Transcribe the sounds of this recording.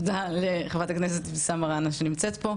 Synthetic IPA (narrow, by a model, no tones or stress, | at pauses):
daleχavataknese̞tbesamaʁanaʃenimt͡set̪po̞